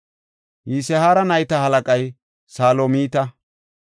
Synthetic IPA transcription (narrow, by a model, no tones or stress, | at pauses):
jiːsɛhaːɾɐnɐjt̪ɐhɐlɐkʼɐj | saːlomiːt̪ɐ